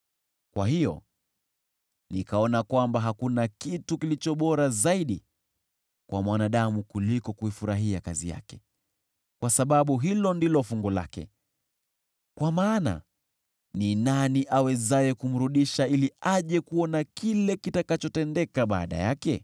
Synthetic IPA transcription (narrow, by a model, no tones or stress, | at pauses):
kwaɦijɔ̰ | nikaɔnakwambaɦakunakitukilit͡ʃɔɓɔɾazaiɗi | kwʔamwanaɗamukulikɔkuifuɾaɦiakazḭja̰kɛ̥ | kwasaɓaɓuɦilɔndilɔfuŋɡɔla̰kɛ̰ | kwamaːna̰ | ninaniʔawɛzajɛkum̩ɾuɗiʃailiaʄɛkuɔnakilɛkitakat͡ʃɔtɛndɛkaɓa̰ːɗa̰jakɛ